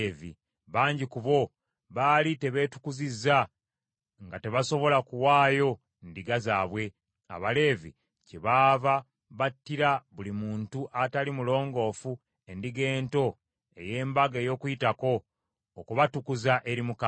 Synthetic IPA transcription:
vḭ | βaːɲɟikuβo̞ | βaːlite̞βe̞ːtu̥kuzizːa | ŋɡate̞βaso̞βo̞lakuwaːjo̞ | ndiɡazaːβwe̞ | a̰βale̞ːvḭ | ceβaːva | βatːiɾaβulimuːntuʔatalimulo̞ːŋɡo̞ːfu | e̞ndiɡe̞ːnto̞ | e̞̰je̞ːmbaɡejo̞ːkujitako̞ː | kuβatukuzaʔe̞ɾimuka

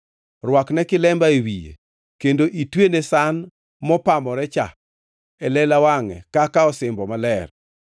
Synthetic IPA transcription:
rwaknɛkɪlɛmbaewijḛ | kendoʔitwenesan | mɔpamɔɾɛt͡ʃa̰ | ɛlɛlawaŋɛ̰kakaɔsɪmbɔmalɛr

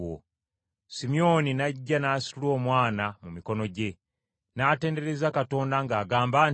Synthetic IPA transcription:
o̰ | simio̞ninaɟːanaːsi̥ulo̞ːmwaːnamumiko̞no̞ɟe̞ | naːte̞ːnde̞ɾe̞zakato̞ːndaŋɡaːɡaːmbaːn

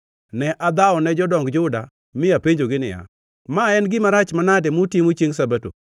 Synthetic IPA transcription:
nɛʔad̪aɔnɛd͡ʒɔdɔŋɡd͡ʒʊda | mɪapeɲd͡ʒoɡɪnɪja̰ | maɛnɡɪmaɾat͡ʃmanadɛmotjemot͡ʃeŋsabato̰

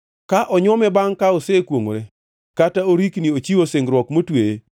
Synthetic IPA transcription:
kaʔɔɲɔmɛbaŋkaosekwoŋo̰ɾe | kataoɾikniot͡ʃiwoseŋɡɾwɔkmotweje

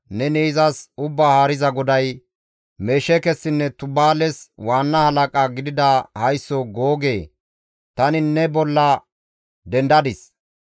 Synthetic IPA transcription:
nɛniːzɐsʊbːaːhaːɾɪzɐɡɔd̪ɐj | me̞ːʃɛkɛsːɪnːɛt̪ʊbaːlɛswaːnːɐhɐlɐkʼaɡɪd̪ɪd̪ɐhɐjsːoɡoːɡe̞ː | t̪ɐnɪnːɛbɔlːɐ | d̪ɛnd̪ɐd̪ɪs

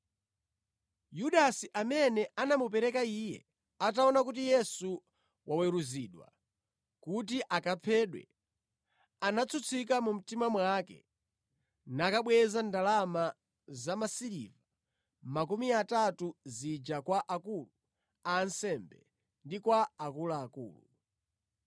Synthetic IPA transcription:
juɗasiʔamɛnɛanamup̬ɛɾɛkaiːjɛ̰ | ataɔnakut̬ijɛsu | wawɛɾuziːɗwa̰ | kut̬iʔakapʰɛːɗwɛ̰ | anat͡sʰut͡sʰik̬amum̩timamwakɛ̰ | nakaɓwɛzandalama | zamasiɾḭva | mak̬umiatatuzid͡ʒakwaʔakulu | aːnsɛmbɛ | ndikwaːkulaːkṵːlṵ

